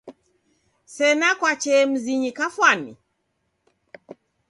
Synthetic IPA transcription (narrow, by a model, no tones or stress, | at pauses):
sɛnakwat͡ʃɛm̩ziɲikafwanḭ